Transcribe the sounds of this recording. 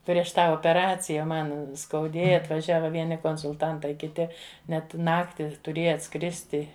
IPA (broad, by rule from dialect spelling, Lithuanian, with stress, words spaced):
pʲrʲiɛʃ ˈtɑː oːpʲɛˈrɑːt͡sʲɪjɛ ˈmɐn skɐʊˈdʲeːjɛ ɐtʋɐˈʒʲæːʋɐ ˈʋʲiɛnʲɪ koːnsʊlˠˈtɐntɐɪ kʲɪˈtʲɪ ˈnʲɛt ˈnɑːktʲɪ tʊˈrʲeːjɛ ɐtˈskrʲɪsʲtʲɪ